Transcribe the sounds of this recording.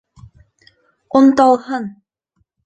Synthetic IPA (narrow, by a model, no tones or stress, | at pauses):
ont̪ɑlˠhɤn